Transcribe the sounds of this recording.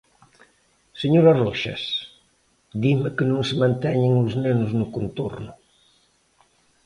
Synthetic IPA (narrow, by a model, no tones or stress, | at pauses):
səɲoɾaroʃḛs | d̪iməkənõnsəmɐnt̪ɛɲəŋuznɛnuznukunt̪o̰rnu